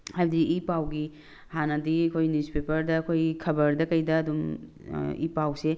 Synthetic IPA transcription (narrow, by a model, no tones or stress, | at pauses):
hajbɐdiʔipawɡi | hanɐdiɐkʰojnuspepɐɾdɐːkʰojkʰɐbɐɾdɐkɐjdɐːdum | ḭpawse